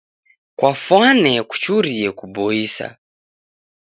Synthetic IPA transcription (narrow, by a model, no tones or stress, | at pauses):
kwafwanɛku̥t͡ʃuɾiɛkubɔisa̰